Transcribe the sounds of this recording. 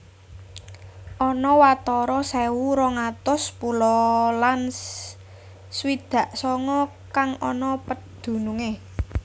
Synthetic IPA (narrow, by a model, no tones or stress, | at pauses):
ʔɔnɔwat̪ɔɾɔsɛwuɾɔŋat̪ʊspulɔlan | swid̪̥ä̤ʔsɔŋɔ | kaŋɔnɔpəd̪̥ṳnuŋe